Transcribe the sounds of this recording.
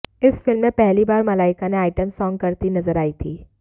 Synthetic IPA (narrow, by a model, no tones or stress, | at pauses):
ɪsfɪlmːẽpɛɦlibaːɾmɐlaːɪkaneaːɪʈəmsɔːŋɡ̚kɐɾt̪inɐzəɾaːit̪ʰiː